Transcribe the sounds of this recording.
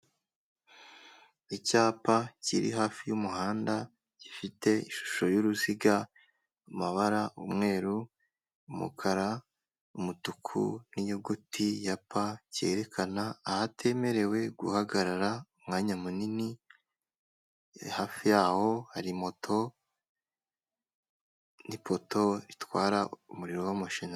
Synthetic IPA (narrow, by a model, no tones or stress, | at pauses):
icaːpacḭɾḭɦaːfijumuhaːnda | ɟ̥ifite̞iʃu̥ʃo̞juɾuziɡa | umaβaɾaumŋe̞ːɾu | umṵkʰaɾa | umutukʰṵnijoɡutʰijapace̞̰ɾe̞kʰanaːhatʰe̞ːme̞ɾe̞we̞ɡuhaɡaɾaɾaumŋaːɲamunini | haːfijaːho̞haɾimo̞tʰo̞ | nipʰo̞to̞ɾitwaːɾaumuɾiɾowamaʃina